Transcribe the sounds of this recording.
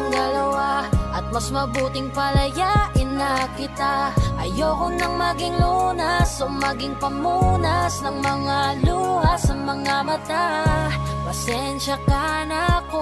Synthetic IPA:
ŋd̪ɐlɐwaʔɐt̪̚mɐsmɐbuːt̪ɪŋpɐlɐjaʔɪnɐkɪt̪aʔɐjoːkʊnɐŋmɐɡɪŋlunɐsoŋmɐɡɪŋpɐmunɐsnɐŋmɐŋaluhɐsnɐŋmɐŋamɐt̪a | pɐsɛnʃɐkanako

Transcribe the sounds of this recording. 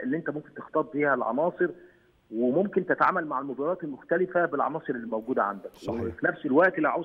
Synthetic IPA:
ʔelːiʔent̪æmomkent̪ext̪ˤɑːt̪̚ˤb̪iːhælʕɑ̰nɑːsˤɨɾ | wemomkent̪et̪ʕa̰ːmælmaʕalmobɑɾˤɑːt̪elmʊxt̪ælɪfæbelʕɑ̰nɑːsˤɨɾelːiːmæwɡuːd̪æʕa̰nd̪ækwefinæfselwæʔt̪elːiʕaw

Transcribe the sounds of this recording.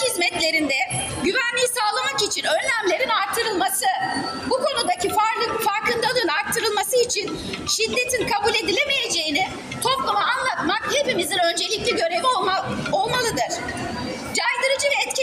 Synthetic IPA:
hizmɛt̪lʲe̞ɾind̪ɛ | ɟyvænlʲijisaːlˠamakit͡ʃʰinø̞ɾlʲæmlʲe̞ɾinaɾt̪ʰːɯɾɯlˠmasɯbukʰo̞nud̪acʰifaɾlˠɯfaɾkɯnd̪alˠɯnaɾt̪ʰːɯɾɯlˠmasɯit͡ʃʰin | ʃid̪ːe̞t̪ʰinkʰabulʲe̞d̪ilʲe̞meje̞d͡ʒe̞jinɪ | t̪ʰo̞plˠamaːnlˠat̪makhe̞pimizinø̞nd͡ʒe̞lʲicʲlʲɛɟøɾe̞vioo̞lˠmalˠɯd̪ɯɾ̥ | d͡ʒajd̪ɯɾɯd͡ʒɯvɛːt̪cʰi

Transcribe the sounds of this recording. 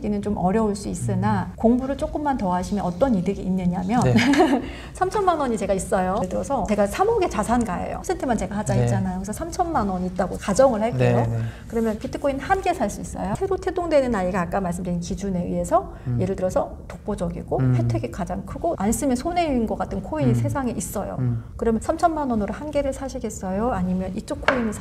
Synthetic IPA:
ɡinɯnt͡ɕomʔʌɾjʌuɭs͈uis͈ɯnakoŋbuɾɯɭt͡ɕ͈ok͈ɯmːantʌaɕʰimjʌnʌt͈ʌnidɯɡiːnːɯɲamjʌn | sʰamt͡ɕʰʌnmanwʌɲit͡ɕe̞ɡais͈ʌjoɭdɯɾʌsʰʌt͡ɕe̞ɡasʰamoɡe̞t͡ɕasʰanɡaḛjo̰sʰentʰemant͡ɕe̞ɡahad͡ʑait͡ɕ͈anajokʰesʌsʰamt͡ɕʰʌnmanwʌɲit̚t͈aɡokad͡ʑʌŋɯɭhaɭk͈eɡokɯɾʌmjʌnpitʰɯ̥kʰːoinhanɡe̞sʰaɭs͈uis͈ʌ̰josʰe̞ɾotʰe̞doŋdwe̞nɯnaiɡaːk͈amaɭs͈ɯmdɯinkid͡ʑune̞ɯ̰e̞sʰʌ | je̞ɾɯɭdɯɾʌsʰʌ | tok̚p͈od͡ʑʌɡḭɡoɸwe̞tʰeɡekad͡ʑaŋkʰɯɡoʔans͈ɯmjʌnsʰone̞uːnɡʌk͈atʰɯnkʰoiɲisʰe̞sʰaŋeʔis͈ʌjo̰kɯɾʌmjʌnsʰamt͡ɕʰʌnmanwʌnoɾohanɡe̞ɾɯɭsʰaɕʰiɡe̞s͈ʌjoaɲimjʌnit͡ɕ͈okʰːoiɲi

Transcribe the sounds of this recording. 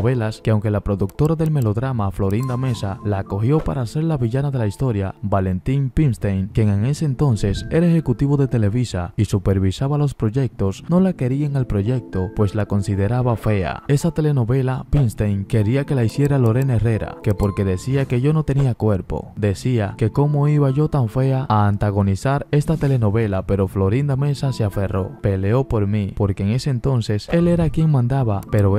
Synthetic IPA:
βe̞laskeawŋkelapɾo̞ðuk̚t̪o̞ɾaðe̞lme̞lo̞ðɾamaflo̞ɾind̪ame̞salaːko̞xjo̞paɾaːse̞ɾlaβiʝanaðe̞laist̪o̞ɾja̰bale̞nt̪iŋpinst̪ejnkje̞ŋe̞ŋe̞seːnt̪o̞nse̞se̞ɾaexe̞kut̪iβo̞ðe̞t̪e̞le̞βisaisupe̞ɾβisaβalo̞spɾo̞ʝe̞k̚t̪o̞sno̞lake̞ɾieŋalpɾo̞ʝe̞k̚t̪o̞pwe̞slako̞nsiðe̞ɾaβafe̞a̰e̞sat̪e̞le̞no̞βe̞lapinst̪ejŋke̞ɾiake̞laisje̞ɾalo̞ɾe̞nere̞ɾa̰ke̞po̞ɾke̞ðe̞siake̞ʝo̞no̞t̪e̞niakwe̞ɾpo̞̰d̪e̞siake̞ko̞mo̞iβaʝo̞t̪aɱfe̞aaːnt̪aɣ̞o̞nisaɾe̞st̪at̪e̞le̞no̞βe̞lape̞ɾo̞flo̞ɾind̪ame̞sase̞afe̞ro̞pe̞leo̞po̞ɾmipo̞ɾkeːŋe̞se̞ːnt̪o̞nse̞se̞le̞ɾakje̞ŋmãnd̪aβape̞ɾo

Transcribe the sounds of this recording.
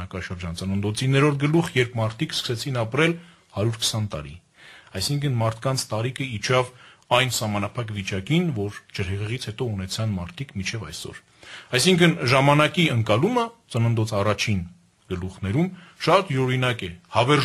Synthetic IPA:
ɑkɑʃəɾd͡ʒɑnt͡sənənd̪ɔt͡sʰinɛɾɔɾt̪̚ʰɡəluχjɛɾpʰmɑɾt̪ʰikskʰə̥sɛt͡sʰinɑpɾɛl | hɑɾjuɾkʰə̥sɑnt̪ɑ̰ɾḭ | ɑjsiŋkʰənmɑɾt̪ʰkɑnt͡sʰt̪ɑɾikʰəit͡ʃʰɑvɑjnsɑhmɑnɑpʰɑkvit͡ʃɑkinvɔɾd͡ʒəɾhɛʁɛʁit͡sʰhɛt̪ɔunɛt͡sʰɑnmɑɾt̪ʰikmint͡ʃʰɛvɑ̰jsɔ̰ɾ | ɑjsiŋkʰənʒɑmɑnɑkiəŋkɑlumət͡sənənd̪ɔt͡sʰɑrɑt͡ʃʰin | ɡ̥əluχnɛɾumʃɑt̪iɾɔɾinɑkɛhɑvɛɾ

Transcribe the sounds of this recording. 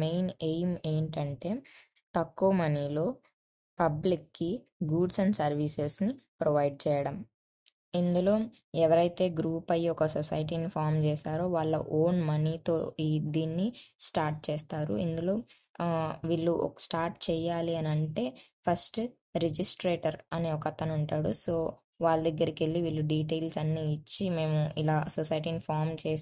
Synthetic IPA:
mejnejmeːɳʈɐɳʈe̞ː | t̪ɐkːuʋɐmɐnilo̞ː | pɐblikːiɡuːɖsɐɳɖsɐɾʋiːsesnipɾoʋɐjɖ̚t͡ʃɛːjɐɽɐm | ind̪ulo̞ː | ɛʋɐɾɐjt̪e̞ːɡɾuːpɐjɔkɐsɔsɐjʈ̬iːnipʰaːɾmt͡ʃɛːsaːɾo̞ːʋaːɭːɐ̰ʔoːnmɐnit̪o̞̰ːid̪iːnːisʈaːɾʈ̚t͡ʃɛːst̪aːɾṵḭnd̪ulo̞ː | ʋiɭːuʔɔ̰ksʈaːɾʈ̚t͡ʃɛːjaːliɐnɐɳʈe̞ːpʰɐsʈ | ɾed͡ʒisʈɾeːʈɐɾɐneːɔkɐt̪ːɐnuɳʈaːɽuso̞ː | ʋaːɭːɐd̪ɐɡːɐɾɐkelːiʋiːlːuɖiːʈ̬eːlsɐnːiːt͡ʃːime̞ːmuilaːsɔsɐjʈ̬iːnipʰaːɾmt͡ʃeː

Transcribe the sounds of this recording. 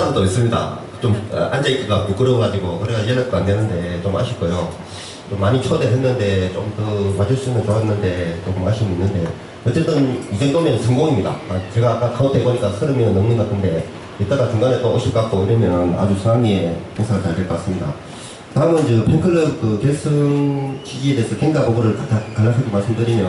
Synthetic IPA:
anɯnt͈ois͈ɯmɲida̰ | t͡ɕom̰ʔand͡ʑeik͈iɡamuk͈ɯɾoɡad͡ʑiɡokɯɾeɡajeɭaɭk͈oandenɯnde̞t͡ɕomha̰ɕʰik͈ojo | t͡ɕomːaɲit͡ɕʰodeɦenːɯnde̞t͡ɕomkɯmad͡ʑɯɭs͈uimʌnt͡ɕoaɦenːɯnde̞t͈okomaɕʰimɯinːɯnde̞ | ʌt͡ɕ͈e̞t͈ɯnjid͡ʑeŋtoŋmenɯnsʰɯŋɡoŋimɲida̰at͡ɕe̞ɡak͈ak͈aotʰeboɲik͈asʰɯɾɯmjʌnnːɯŋnɯnɡatʰɯnde̞ | jet͈aɾat͡ɕuŋɡanet͈ooɕʰip̚k͈ak͈oiɾʌmjʌna̰d͡ʑusʰamiekeŋsʰaɡaɭt͡ɕaɭdeɭk͈ʌk͈as͈ɯmɲida̰ | kɯtaɯmʌnt͡ɕɯpʰeŋkʰɯɾɯp̚kɯkeɭsʰɯŋɕiɡie̞deːsʰʌkʰeŋd͡ʑaɡoɡɯɾɯɭkalːaɭs̬͈ʰɯɡemaɭs͈ɯmdɯɾimjʌ

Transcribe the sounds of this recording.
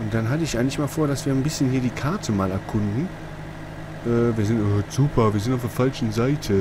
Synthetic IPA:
ʔʊnt̚d̥anɦatəɪçʔaɪŋlɪçmaːlfoːɐdasv̥iːɐnbɪsçənhiːɐdiːkʰaɐtʰəmaːlɛɐkʰʊndn̩ | ʔɛːviːɐzɪntʔoːz̥uːpʰɐviːɐzɪntaʊfd̥eːɐfalt͡ʃn̩zaɪtʰə

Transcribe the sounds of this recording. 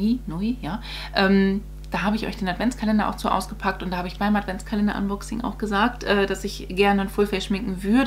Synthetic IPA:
inɔijaː | ʔɛːm | d̥aːɦaːbəɪçʔɔ̰ʏçd̥eːnatv̥ɛnt͡skʰalɛndɐʔa̰ʊxt͡suːʔa̰ʊsɡ̥əpʰak̚tʊntdahaːbəɪçb̥aɪmatv̥ɛnt͡skʰalɛndɐ̰ʔa̰nbɔksɪ̰ŋʔa̰ʊxɡ̥əzaːktʔɛːd̥asɪçɡ̥ɛɐnənfoːlfɛɪʃmɪŋkŋ̩vʏɐd

